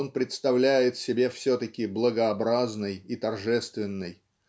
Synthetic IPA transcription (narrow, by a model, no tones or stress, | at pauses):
onpɾʲɪt̪st̪ɐvlʲæjɪt̪sʲɪbʲe̞fsʲɵt̪əkʲɪblˠəɡəɐbɾaznɨjit̪ɐrʐɛst̪vʲɪnːɨj